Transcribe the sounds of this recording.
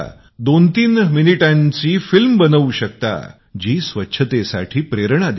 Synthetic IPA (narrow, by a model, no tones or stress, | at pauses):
d̪ont̪iːnminiʈãɲt͡siːfilmbənəuɕək̚t̪a̰ | d͡ʑiːsʋətːɕʰət̪esa̰ʈʰiːpɾeɾɳ̃ad̪